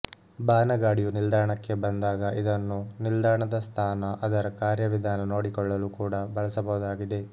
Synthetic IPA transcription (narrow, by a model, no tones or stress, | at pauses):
baːnɐɡaːɽijunild̪ʱaːɐɳɐkːe̞bɐnd̪aːɡɐʔid̪ɐnːunild̪aːɐɳɐd̪ɐst̪ʰaːnɐʔɐd̪ɐɾɐkaːɾjɐʋid̪ʱaːnɐno̞ːɽikɔɭːɐlukuːɽɐbɐɭɐsɐbɐɦud̪aːɡid̪e̞